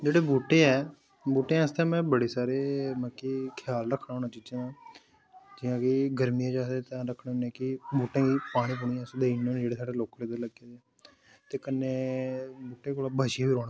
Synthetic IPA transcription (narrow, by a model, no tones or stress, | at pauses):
d͡ʒeːɽeːbuːʈːeːɛː | buːʈːeãːəst̪ẽːmɛ̃ːbəɽeːsaːɾeːmə̃ːkikʰjaːlɾəkʰːnãɦoːnãːt͡ʃiːd͡ʒãːd̪ãː | d͡ʒɪːãːkɪɡəɾmijãːd͡ʒaːseːt̪ãːɾəkʰɽːoːnẽːkɪbuːʈẽːɡiːpaːɽ̃ĩːpʊɳiːãːsd̪einoːnd͡ʒeːɽeːsaːɖeːloːkleːd̪ələɡeː | t̪eːkənːeːbuːʈːeːkoːlaːbʱaʃɪjãːbiːɾoːɽaː